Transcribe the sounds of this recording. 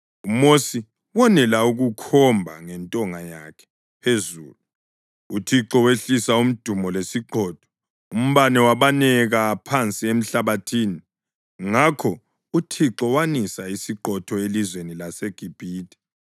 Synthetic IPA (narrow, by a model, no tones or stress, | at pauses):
umosi | wɔnɛlauɣukʰɔmbʱa̰ŋɛntʼɔŋajakʰɛ̥ | pʰezṵːlu | utʰiǁɔweɬisaum̩d̥ʱumɔlesiǃɔːtʰɔ̥ | um̩βanɛwaβanɛɣapʰant͡sʼiem̩ɬaβatʰiːni | ŋakʰɔ | utʰiǁɔwanisaisiǃɔtʰɔelizwenilaseɡ̥ʱib̥ʱiːtʼɛ̥